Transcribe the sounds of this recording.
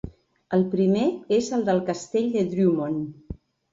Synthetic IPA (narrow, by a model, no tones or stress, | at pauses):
əlˠpɾimeezəlˠd̪əlˠkəst̪eʎʲd̪əd̪ɾumon